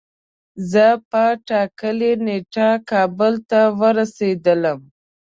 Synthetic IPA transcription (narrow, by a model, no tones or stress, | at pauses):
zəpəʈɑkəleneʈakɑbəlt̪awəɾased̪ələm